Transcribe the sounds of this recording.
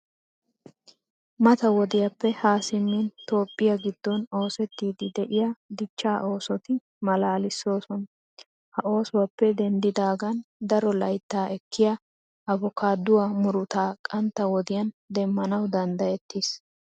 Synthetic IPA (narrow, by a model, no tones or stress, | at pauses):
mɐt̪ɐwɔd̪ɪjɐpːɛhaːsɪmːint̪o̞ːpʼːɪjɐɡɪd̪ːɔno̞ːsɛt̪ːiːd̪ɪd̪ɛʔɪjad̪ɪt͡ʃːaːʔo̞ːsɔt̪ɪ | mɐlaːlɪsːo̞ːsɔn | hɐʔo̞ːsʊwɐpːɛd̪ɛnd̪ɪd̪aːɡɐnd̪ɐɾɔlɐjt̪ːaːʔɛkːɪjɐ | ʔɐbɔkʰaːd̪ʊwɐmʊɾʊt̪aːkʼɐnt̪ːɐwɔd̪ɪjɐnd̪ɛmːɐnɐwd̪ɐnd̪ɐjɛt̪ːis